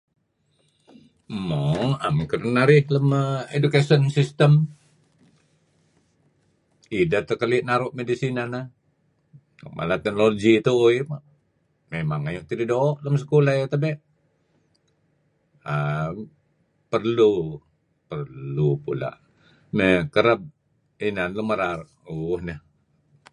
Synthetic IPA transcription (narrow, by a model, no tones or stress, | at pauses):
moa̰mkərnaɾɪhləməedukasiɔnsist̪əm | idat̪əkəliʔnaɾʊʔmedisinana | mʔa̰lat̪ɛnoloɡit̪uːjp | memaŋajuʔt̪ididoːʔləms̬ə̥kulajat̪əbɛʔ | a | pərlu | pərllupula̰ʔ | mekəɾəb̚ | inanluməɾaɾ | uhnəh